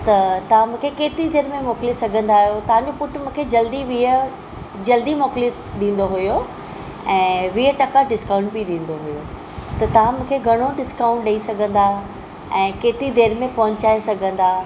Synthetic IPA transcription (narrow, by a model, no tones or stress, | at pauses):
t̪ɐt̪ɐʋ̤ãmũːkʰekeːt̪ɾid̪eːɾmẽmɔːkɪlisɐɡʱə̃nd̪aːɦijot̪ɐʋ̤ãɲ̆d͡ʑopʊʈmũːkʰed͡ʑɐld̪iʋiə | d͡ʑɐld̪imɔːkli | ɗĩːn̆d̪oɦʊjo | ɛ̃ːʋiəʈɐkaɖɪskãːʊ̃ɳʈ̚biɗĩːn̆d̪oɦʊjo | t̪ɐt̪ɐʋ̤ãmũːkʰeɡʱɐɽ̃oɖɪskãʊ̃ɳʈ̚ɗɐisɐɡʱə̃nd̪a | ɛ̃ːkeːt̪ɾid̪eːɾmẽpɐɦʊɲt͡ɕaːesɐɡʱə̃nd̪aː